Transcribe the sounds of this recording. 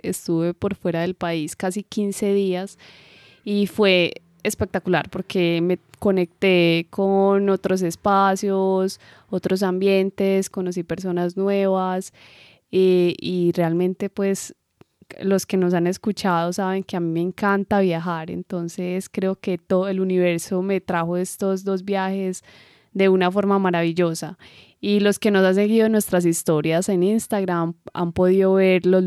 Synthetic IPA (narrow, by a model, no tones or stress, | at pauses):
est̪uβe̞po̞ɾfwe̞ɾaðe̞lpaiskasikinse̞ðias | ifwe̞ | espek̚t̪akulaɾpo̞ɾke̞meko̞ne̞k̚t̪e̞kʰono̞t̪ɾo̞s̬e̞spasjo̞s | o̞t̪ɾos̬ambje̞nt̪e̞sko̞no̞s̬ipe̞ɾs̬o̞naznwe̞βas | eirealmẽ̞nt̪e̞pwe̞s | lo̞ske̞no̞s̬ane̞skut͡ʃaðosaβe̞ŋkeamime̞ːŋkant̪aβjaxaɾḛnt̪o̞nse̞skɾe̞oke̞t̪ooeluniβe̞ɾso̞me̞t̪ɾaxo̞e̞st̪o̞zd̪o̞zbjaxe̞s | d̪e̞unafo̞ɾmamaɾaβiʝo̞sa | ilo̞ske̞no̞sans̬e̞ɣiðoenwe̞st̪ɾas̬ist̪o̞ɾjase̞ninst̪aɣɾama̰mpo̞ðiðo̞βe̞ɾlo